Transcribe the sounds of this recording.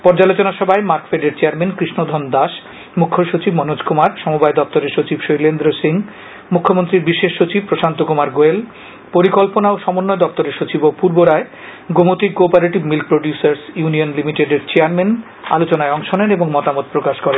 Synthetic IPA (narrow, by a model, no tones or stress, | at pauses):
pɔɾd͡ʑalot͡ɕonaʃɔbʱaemaɾkfeɖeɾt͡ɕeaɾmenkɾiʃnod̪ʱɔnd̪aʃ | mukʰːoʃot͡ɕibmɔnod͡ʑkʰumaɾʃɔmubaed̪ɔp̚t̪oɾeɾʃot͡ɕibʃojlend̪ɾosiŋ | mukʰːomont̪ɾiɾbiʃeʃːot͡ɕib̚pɾoʃant̪okumaɾɡoel | poɾikolponaoʃɔmonːoed̪ɔp̚t̪oɾeɾʃot͡ɕibopuɾboɾae | ɡomot̪ikːopaɾeʈibmilk̚pɾoɖjusaɾsjunionlimiʈeɖeɾt͡ɕeaɾmen | a̰lot͡ɕonaeɔŋʃoneneboŋmɔt̪amot̪̚pɾokaʃkɔɾen